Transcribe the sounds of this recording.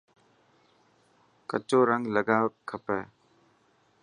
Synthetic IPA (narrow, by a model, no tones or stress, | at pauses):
kət͡ʃoːɾɐŋləɡakʰːəpɛ